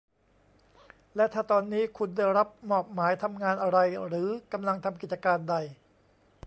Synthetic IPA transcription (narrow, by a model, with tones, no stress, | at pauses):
lɛ˦˥t̪ʰaː˥˩t̪ɔː˧nːiː˦˥kʰu˧nda˥˩jɾa˦˥p̚mɔː˨˩p̚maː˩˦jt̪ʰa˧mŋaː˧nʔa˧ɾa˧jɾɯː˩˦ka˧mla˧ŋt̪ʰa˧mk̬i˨˩t̪̚t͡ɕa˧kaː˧nda˧j